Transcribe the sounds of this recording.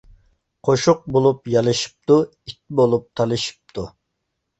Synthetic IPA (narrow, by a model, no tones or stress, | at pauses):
qʰoʃuq̚bolˠupjɑlˠɨʃi̥p̚t̪u | it̪̚bolˠup̚t̪ʰɑlˠɨʃi̥p̚t̪ʰu